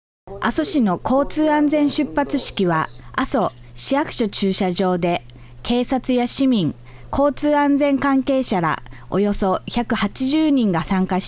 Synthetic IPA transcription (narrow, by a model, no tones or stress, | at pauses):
aso̞ɕino̞kʰo̞ːt͡sɨːãnd͡zẽ̞ɰ̃ɕɨpːat͡sɨɕi̥kʲiβaaso̞ | ɕiakɯ̟̥ɕo̞t͡ɕɨːɕaʑo̞ːd̪e̞ | ke̞ːsat͡sɨjaɕimʲĩŋ | kʰo̞ːt͡sɨːãnd͡zẽ̞ŋkãŋke̞ːɕaɾa̰o̞̰jo̞so̞çakɯ̟hat͡ɕiʑɨːɲ̟ĩŋɡasãŋkaɕ